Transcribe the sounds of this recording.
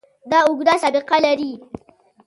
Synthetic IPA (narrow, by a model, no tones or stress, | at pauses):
daʊɡdasabiqalɐɾiː